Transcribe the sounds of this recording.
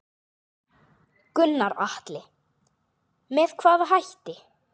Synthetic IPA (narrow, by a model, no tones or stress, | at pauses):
kʏnːaɾaht̪lɪ | mɛðkʰvaːðɦajht̪ɪ